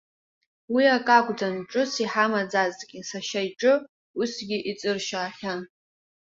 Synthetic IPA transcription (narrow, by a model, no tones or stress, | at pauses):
wiakʼakʷʼd͡zanʈ͡ʂʼɨsiħamad͡zazʼkʲʼɪsaʃajʈ͡ʂʼɨ | usɡʲɪʔit͡sʼɨrʃaːħʲan